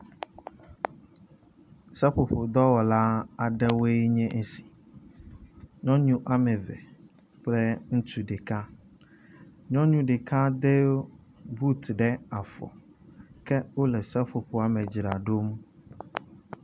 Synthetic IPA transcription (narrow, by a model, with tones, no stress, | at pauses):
sɛ˦ɸo˨ɸo˨d̪ɔ˦wɔ˨la˦a˨ɖɛ˦we˦ɲɛ̃˦ʔsi̥˨ | ɲɔ̃˦ɲũ˦ʔa˦mɛ˨vɛ̰˨ | k͡plɛ˦ŋ̩˦tʰu˨ɖe˨kʰa˦ | ɲɔ̃˦ɲũ˦ɖe˨kʰa˦d̪e˦ | bu˦t̪ɖɛ˦a˨fɔ̰˨ | kʰɛ˦wo˦lɛ˨sɛ˦ɸo˨ɸo˨a˦mɛ˨d͡ʑɾa˨ɖo˦m